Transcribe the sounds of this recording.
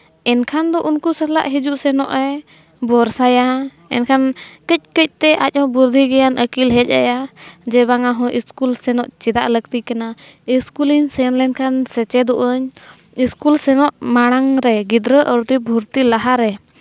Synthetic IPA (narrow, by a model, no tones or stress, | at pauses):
ɛnkʰand̪ɔʔunkusəɾla̰ʔɦid͡ʒuʔsɛnɔʔɾɛ | bɔɾsaja | ɛ̰nkʰankəc̚ˀkəc̚ˀt̪ɛʔa̰c̚ˀhɔ̃buɾd̪ʱiɡɛjanʔəkilɦɛc̚ˀa̰jad͡ʒɛbaŋaɦɔ̃ʔiskulsɛnɔʔt͡ʃɛd̪aʔlək̚t̪ikanaiskuliɲsɛnlɛnkʰansɛt͡ʃɛd̪ɔʔəɲ | iskulsɛnɔʔmaɽ̃aŋɾɛɡid̪ɾəʔəɾt̪ibʱuɾt̪ilaɦaɾɛ